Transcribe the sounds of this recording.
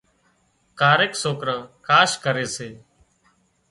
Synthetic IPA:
kaːɾeːksoːkɾə̃ːkaːʃkəɾeːseː

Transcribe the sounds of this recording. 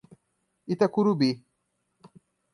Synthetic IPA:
it̪akuɾubi

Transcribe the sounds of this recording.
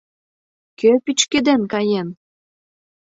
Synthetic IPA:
køpit͡ɕked̪enkɑjen

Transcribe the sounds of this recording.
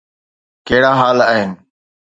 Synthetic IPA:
keːɽaːɦaːləːɦɪnɪ̆

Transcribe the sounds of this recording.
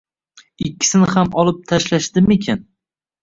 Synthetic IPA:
ɪkʲːɪ̥sɪnɪhamɒlˠɪp̚t̪ʰaʃlaʃd̪ɪmekʲʰan

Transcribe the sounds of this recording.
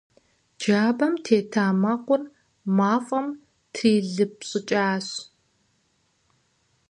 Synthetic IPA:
d͡ʒaːbɐmtʰeːtʰaːmɐqʷʊr | maːfʼɐm | tʰiːɮɨp̚ɕʼɨt͡ʃʼaːɕ

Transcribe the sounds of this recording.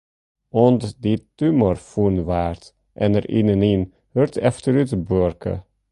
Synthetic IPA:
ɔndditymərfunʋaːrt | ʔɛnəɾʔḭnənin | hørtɛftəɾytbørkə̰

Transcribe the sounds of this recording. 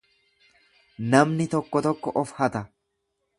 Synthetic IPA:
nɐmnɪt̪ɔkːɔt̪ɔkːɔʔɔfhɐt̪ɐ

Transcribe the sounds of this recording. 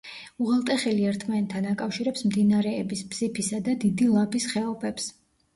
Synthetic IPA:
uʁalˠt̪ʼɛχɛliɛɾt̪ʰmant̪ʰːanakʼafʃiɾɛpsmd̪inaɾɛːbisbz̥ipʰisad̪ad̪id̪ilˠapʰisχɛɔpʰɛps

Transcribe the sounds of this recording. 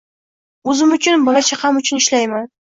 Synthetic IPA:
ɵzɪmʊt͡ʃʰʊnbɒlat͡ʃʰahamʊt͡ʃʰʊnɪʃlajman

